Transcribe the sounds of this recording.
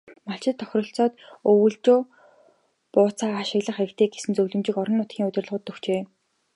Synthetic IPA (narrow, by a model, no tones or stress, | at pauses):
maɬt͡ɕɪ̆t̪ʰːœ̥xʲrɞ̆ɬt͡sɔːt̪ɵwɵ̆ɮt͡ɕoː | pʊːt͡sʰaːaʃɪ̆ɣɮə̆χeɾɘ̆kt̪ʰeːɡ̚esɘ̆nt͡sɵwɮɵ̆mt͡ɕɪ̆kɔɾɞ̆nːʊt̪ɡʲiːŋɵt̪ʲɪ̆rɮʁʊːt̪ːɵxt͡ɕeː